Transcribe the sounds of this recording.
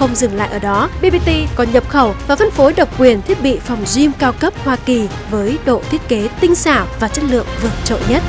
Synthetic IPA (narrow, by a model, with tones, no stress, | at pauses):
xə˧wŋ͡mzɨ˨˩ŋla̰ː˧˨ʔəː˧˩ɗɔ˨˦ɓi˧ɓi˧t̪i˧kɔ˨˦nɲə˨˩p̚xə˧˩wvaː˨˩fə˧nfo˨˦ɗə˨˩wk͡p̚kwi˨˩ənt̪ʰi˦˥ət̚ɓḭ˧˨fɔ˨˩wŋ͡mzi˧mkaː˧wkə˦˥p̚hwaː˧ki˨˩ | vəː˨˦jɗo̰˧˨t̪ʰi˦˥ət̚ke˨˦t̪ï˧ŋ̟saː˧˩wvaː˨˩t͡ɕə˦˥t̚lɨ̰˧˨əŋvɨ˨˩ət̚t͡ɕo̰˧˨ɲə˦˥t̚